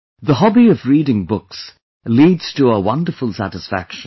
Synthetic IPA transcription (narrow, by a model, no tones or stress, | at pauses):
ðəhɑbiʌvɹiːɾɪ̃ŋbʊks | liːdz̥tʰəəwʌ̃ndə˞fəlˠsæ̰ɾɨsfæ̰kʃ